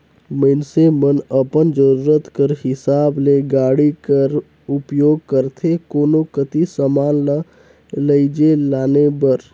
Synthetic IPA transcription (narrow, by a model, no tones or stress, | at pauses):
məɪnsemənəpənd͡ʒəɾuːɾət̪kəɾhɪsaːbleɡaːɽikəɾ | ʊpjoːɡ̚kəɾt̪ʰekoːnokət̪isəmaːnla | ləid͡ʒelaːnebəɾ